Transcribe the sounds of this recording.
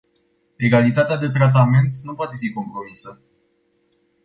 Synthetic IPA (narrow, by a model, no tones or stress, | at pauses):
e̞ɡalit̪at̪ead̪e̞t̪ɾat̪̬ame̞nt̪nupoat̪e̞fiko̞mpɾo̞misə